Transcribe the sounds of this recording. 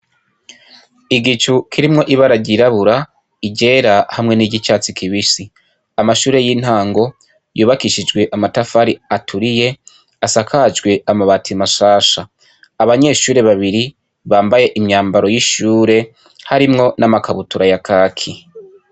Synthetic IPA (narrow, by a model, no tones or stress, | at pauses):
iɡit͡ʃukʰiɾimŋo̞ʔiβaɾaɟiɾaβuɾa | iɟe̞ːɾahamŋe̞niɟit͡ʃaːt͡sikʰiβisi | amaʃuːɾe̞jin̥haːŋɡo̞ | juːβakiʃid͡ʒɡwe̞ʔamatafaɾiatʰuɾije̞ | asakʰad͡ʒɡwe̞amaβaːtʰimaʃaːʃaː | βaɲe̞ʃuːɾe̞βaβiɾi | βaːmbaje̞ʔimɲaːmbaɾo̞jiʃuːɾe̞ | haɾimŋo̞namakaβutuɾajakʰaːkʰi